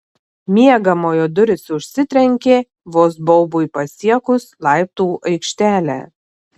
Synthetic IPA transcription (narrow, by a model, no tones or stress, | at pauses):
mʲiɛɡɐmoːjoːd̪ʊɾʲɪsʊʃʲsʲɪt̪ʲɾʲɛŋʲkʲeː | ʋoːsbɔʊbʊɪpɐsʲiɛkʊslˠɑˑɪp̚t̪uːʔɐɪkʃʲt̪ʲæːlʲæ̰ː